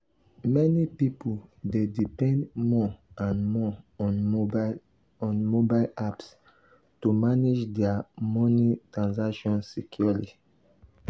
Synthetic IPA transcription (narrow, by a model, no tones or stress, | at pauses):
mɛnipipuldedipɛ̃ndmɔãnmɔ̃n | ɔ̃nmobaɪlaps | tumanid͡ʒdɛamɔnitɹãnsakʃɔ̃nsikʰjuli